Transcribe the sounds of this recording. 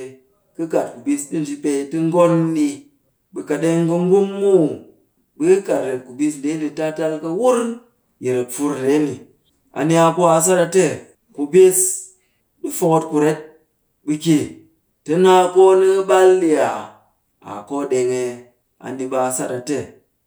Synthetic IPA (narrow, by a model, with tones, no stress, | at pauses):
kɨ˦ka˨t̚ku˨bi˧sdi˦n̩˨d͡ʒi˧˦pe˧tɨ˦ŋ̩˦ɡo˦nː˦i˧ | bɨ˧ka˨ɗe˦ŋkɨ˧ŋ˦ɡu˦mːu˦ | bɨ˦ka˨tɾe˨tku˨bi˦s̬n̩˨de˦n˦di˧ta˦ta˧lkɐ˧˦wu˦ɾn | je˨ɾe˨p͡fu˧ɾɾe˨˦ni˨ | a̰˨ni˧˦a˧ko˦a˨s̬a˦ta˧te˦ | ku˨bi˦s | di˦fo˦ko˧t̚ku˨ɾe˦t̚ | bɨ˧kʲe˨ | tɐ˦na˦˧ko˦nɨ˦ba˦lːi˨a˨ | a̰˨ko˦˨ɗe˨ŋe˧ | a̰˨n˦di˧ɓa˨sa˦ta˨te˦˨